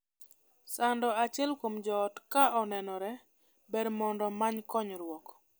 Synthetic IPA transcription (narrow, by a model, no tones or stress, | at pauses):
sandɔat͡ʃɛlkomd͡ʒɔːtkaʔɔnɛnɔɾɛ | bɛdmɔndɔmaɲkɔɲɾwɔk